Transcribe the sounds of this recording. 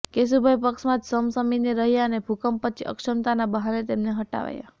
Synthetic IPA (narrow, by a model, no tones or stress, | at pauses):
kes̬ubʱajpəksmãd͡ʒsəmsəminiɾəɦjaənebʱukəmpət͡ʃʰiʔə̰kʃəmt̪anabəɦaɾet̪emneɦəʈa̰ʋa̰ja̰